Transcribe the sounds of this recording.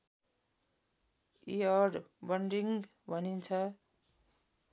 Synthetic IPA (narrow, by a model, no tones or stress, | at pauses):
iʌɖbʌɳɖriŋ | bʱʌnint͡sʰʌ